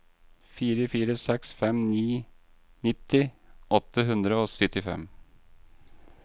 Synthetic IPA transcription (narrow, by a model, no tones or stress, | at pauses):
fiːɾəfiːɾəsɛksfɛmniː | nɪt̪ːɪʔɔt̪ːəɦʉnd̪ɾəoːsœt̪ɪfɛ̰m